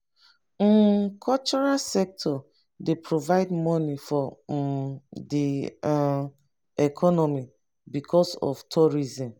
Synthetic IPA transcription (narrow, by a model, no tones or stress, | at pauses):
kʰɔlt͡ʃɔɹasɛk̚tʰɔ | depʰɹovaɪdmɔnifɔ | di | ɛkʰɔnɔmi | bikʰɔsɔ̰ftʰɔɹizĩm